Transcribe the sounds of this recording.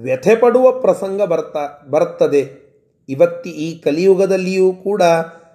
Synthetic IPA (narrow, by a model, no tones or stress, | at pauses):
ʋjɛt̪ʰepɐɽuʋɐpɾɐsɐŋɡɐbɐɾt̪abɐɾt̪ːɐd̪e̞ | iʋɐt̪ːuiːkɐlijuɡɐd̪ɐlːijuːkuːɽɐ